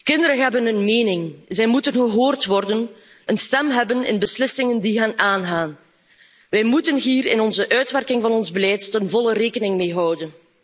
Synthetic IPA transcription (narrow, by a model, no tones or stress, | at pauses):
kɪndəɾənɦɛbənənmeːnɪŋzɛjmutənɣəɦoːrtʋɔrdən | ʔənstɛmɦɛbənɪ̰nbəslɪsɪŋəndiɦɛnaːnɣaːn | ʋɛjmutənɦiːrɪ̰nɔnzəʔœɥtʋɛrkɪŋvɑnɔnzbəlɛjtənvɔləreːkənɪŋmeːɦɑwdən